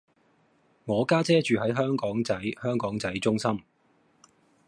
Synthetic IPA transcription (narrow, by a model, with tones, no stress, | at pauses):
ŋɔː˨˧kaː˥t͡sɛː˥t͡ʃyː˨ɦɐ˨˥jɦœː˥ŋkɔː˨˥ŋt͡sɐ˨˥jhœː˥ŋkɔː˨˥ŋt͡sɐ˨˥jt͡ʃʊ˥ŋsɐ˥m